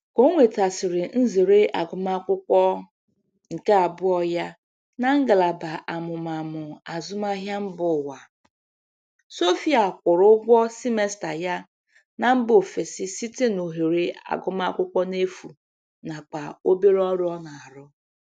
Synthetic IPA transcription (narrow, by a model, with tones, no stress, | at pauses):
ko˦ŋʷe˨ta˨sɪ˨ɾɪ˨n̩˦ze˨ɾe˦ʔa˨ɡʊ˨ma˦kʷʊ˦kʷɔ˦ | ŋ̩˨ka˦a˨bʊ˦ɔ˦ja˦ | na˨ŋ̩˦ɡa˨la˨ba˨ʔa˨mʊ˨ma˨mʊ˨a˨zʊ˦ma˦ɦja˦m̩˦bʊ˨wa˨ | so˦fi˦a˨kʷʊ˨ɾʊ˦ɡʷɔ˦si˦me˨sta˨ja˦ | na˨m̩˦bo˨fe˨sɪ˦si˦te˦no˨ɦe˨ɾe˦a̰˨ɡʊ˦ma˦kʷʊ˦kʷɔ˦ne˦fu˨ | na˨k͡pa˨o˦be˦ɾɔ˦ɾɔ˦na˨a˨ɾʊ˦